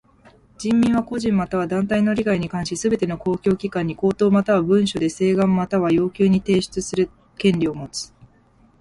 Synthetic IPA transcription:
d͡ʑĩmːʲĩɰ̃β̞ako̞ʑĩmːat̪aβ̞ad̪ãnt̪aino̞ɾʲiɡaiɲ̟ikãɰ̃ɕisɨbe̞t̪e̞noko̞ːkʲo̞ːkʲikãɲ̟ːiko̞ːt̪o̞ːmat̪aβabɯ̟̃ɰ̃ɕo̞d̪e̞se̞ːɡãmːat̪aβ̞ajo̞ːkʲɨːɲ̟it̪e̞ːɕi̥t͡sɨsɨɾɯ̟ | kẽ̞nɾʲio̞mo̞t͡sɨ̥

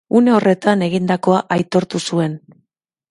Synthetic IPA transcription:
une̞o̞re̞t̪ane̞ɣind̪ako̞aʔajt̪o̞ɾt̪usue̞n

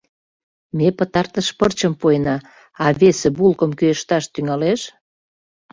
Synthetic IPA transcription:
mepət̪ɑrt̪əʃpərt͡ɕəmpuenɑ | ɑβesĕbulkəmkøjeʃt̪ɑʃt̪yŋɑleʃ

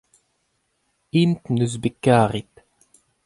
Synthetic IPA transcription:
imt̪nøzbekːaːʁit̪

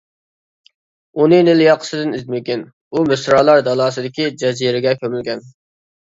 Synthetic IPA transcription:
unɨnɪlɪjɑqʰə̥sɨd̪ɪnizmɪkʲin | umɪsɾɑːlˠɑɾd̪ɑlˠɑːsɨd̪ɪkʲid͡ʒɛziɾɪɡʲɛkʲømɪlɡʲɛn

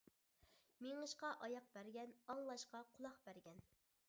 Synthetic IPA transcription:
meŋəʃqɑʔɑjɑq̚bæɾɡʲɛnɑŋlˠɑʃqɑqʰʊlˠɑqbæɾɡʲɛn

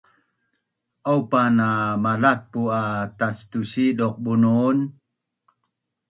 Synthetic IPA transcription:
ʔowpanamalak̚puat̪astusidɔq̚bunun

